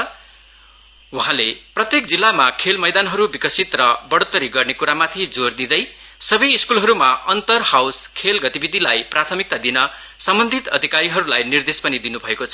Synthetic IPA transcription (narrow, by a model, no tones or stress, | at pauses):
uɦãleprʌt̪jekd͡zilːamakʰelmʌjd̪anɦʌɾubikʌsit̪rʌbʌɽot̪ːʌɾiɡʌrnekuɾamat̪ʰid͡zord̪id̪ʌjsʌbʌjːskulɦʌɾumaʌnt̪ʌrhawskʰelɡʌt̪ibid̪ʱilajprat̪ʰʌmik̚t̪ad̪inʌ | sʌmbʌnd̪ʱit̪ʌd̪ʱikaɾiɦʌɾulajnird̪espʌnid̪inubʱʌekot͡sʰʌ